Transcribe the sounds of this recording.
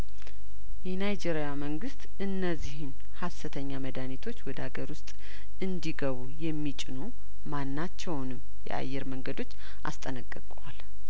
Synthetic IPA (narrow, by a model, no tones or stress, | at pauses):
jɛnajd͡ʒeɾijaməŋɡɨst̪ʼɨnːəzːihɨn | hasɨt̪ʰəɲːaməd̪anit̪ʰo̞t͡ʃːwɔd̪əaɡəɾwʊst̪ʼ | ɨnd̪iɡəβujɛmːit͡ʃʼɪnu | manːat͡ʃːɛwnɨmː | jɛ̰ʔa̰jːɛɾməŋɡəd̪o̞t͡ʃː | ʔa̰st̪ʼənəkʼːəkʼuwal